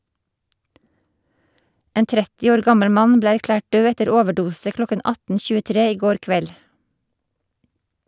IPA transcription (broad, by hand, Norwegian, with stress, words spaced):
ˈeːn ˈtɾɛtɪ ˈoːɾ ˈɡɑməɽ ˈmɑn ˈbleː æɾˈklæːʈ ˈɖøː ˈɛtəɾ ˈoːʋəˌɖuːsə ˈklɔkən ˈɑtn̩ çʉːəˈtɾeː ˈiː ˈɡoːɾ ˈkʋɛl